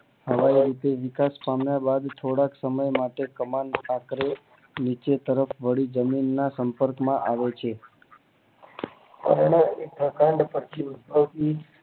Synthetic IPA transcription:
həʋaiɾit̪eʋɪkaspamjabad̪t̪ʰoɽãksəməjmaʈekəmant̪akɾe | nit͡ʃet̪əɾəfʋəɽid͡ʒəminːasəmpəɾkmãʔaʋet͡ʃʰe | pə̰ɾɳəekt̪ʰəkãɳɖpəɾt̪ʰiʊd̪̚pəʋt̪i

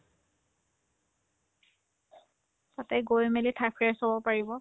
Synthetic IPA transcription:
tatɛɡojmelitʰapʰɛɹsobɔpaɹibɔ

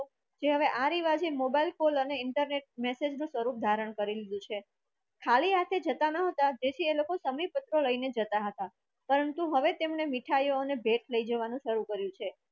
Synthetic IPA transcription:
d͡ʒeɦəʋeʔaɾiʋad͡ʒemobailkoləneɪɳʈəɾneʈ̚mesed͡ʒnũsʋəɾup̚d̪ʱaɾəɳkəɾilid̪ũt͡ʃʰe | kʰaliɦat̪ʰed͡ʒət̪anəɦət̪ad͡ʒet͡ʃʰielokosəməjpət̪ɾoləined͡ʒət̪aɦət̪a | pəɾənt̪uɦəʋet̪emɳemiʈʰajoːnebʱeʈʰləid͡ʒəʋanũʃəɾukəɾjũt͡ʃʰe

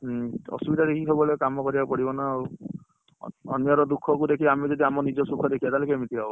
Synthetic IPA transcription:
ɔ̰subid̪ad̪ekʰiɦebɔlekamɔkɔɾibapɔɽibɔnau | ɔ̰njɔɾɔd̪ukʰɔkud̪ekʰiamid͡ʒɔd̪iamɔnid͡ʒɔsukʰɔd̪ekʰibat̪alekemit̪iɦabɔ

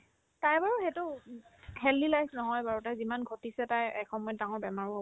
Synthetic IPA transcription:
tajbaɹuxɛtʊ | ɦɛlːilajsnɔɦɔjbaɹɔtajzimanɡʱotisɛtajɛkʰɔmɔjɛdaŋɔɹbɛmaɹɔɦɔ

